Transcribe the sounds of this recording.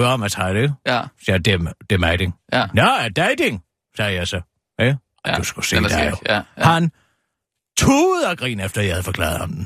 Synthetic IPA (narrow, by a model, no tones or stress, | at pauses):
ɒmæshɑd̥esed̥emd̥emæɪd̥eŋnod̥æɪd̥eŋ | sɛːjɑsɒ | e | d̥usɡ̥usḛːd̥æjohæn | t͡sʰuːð̩ˠɐɡ̥ʁḭːnefd̥ɐjahæðˠfɒ̽kʰlɑ̰̈ːð̩ˠɒmd̥n̩